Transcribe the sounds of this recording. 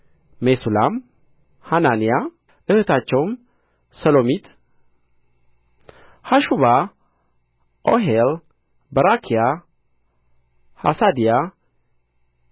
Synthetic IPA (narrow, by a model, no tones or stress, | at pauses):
mesulam | hananija | ʔɨhɨt̪ʰat͡ʃːɛwm | səlo̞mit̪ʰ | haʃuβa | ʔoɦel | bəɾakʰija | ha̰sad̪ija